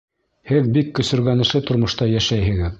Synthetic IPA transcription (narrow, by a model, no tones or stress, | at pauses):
hɘðbikːɵ̆sɵ̆ɾɡænɤ̆ʃɤt̪ŏɾmŏʃt̪ɑjæʃæjhɘ̆ɣɘð